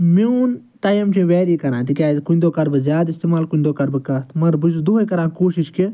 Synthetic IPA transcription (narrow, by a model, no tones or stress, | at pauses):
miun | t̪ajɐmt͡ʃʰĩʋɛːɾikɐɾãːt̪ikʲaːzkunʲd̪oːkɐɾbɨzʲjaːd̪ist̪eːmaːlkunʲd̪oːkɐɾbɨkɐt̪ʰmɐɾbɨd͡ʒd̪ukɐɾãːkoːʃiʃki